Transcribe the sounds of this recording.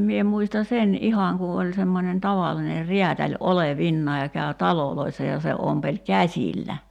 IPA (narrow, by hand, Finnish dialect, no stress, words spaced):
mie muistɑ sen ʔihɑŋ ku olʲ semːonen tɑʋɑlːine riætælʲ oleʋinːɑːj kæø tɑloloisːɑ jɑ se ompelʲ kæsʲilːæ